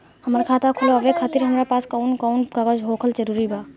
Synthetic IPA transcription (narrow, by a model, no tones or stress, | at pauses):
hɐmɾkʰaːt̪akʰʊloɐʋekʰaːt̪ɪɾɦɐmɾapaːskɔːnkɔːnkaɡəd͡ʒɦoːkʰəld͡ʒəɾuːɾibʱaː